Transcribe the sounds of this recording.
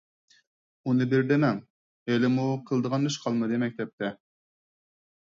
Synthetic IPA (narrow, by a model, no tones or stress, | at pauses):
unɨbɪɾd̪ɪmɛŋ | elɪmuqʰəlˠd̪əʁɑnd̪yʃqʰɑlˠmɨd̪ɨmɛk̚ʲt̪ɛp̚t̪ʰɛ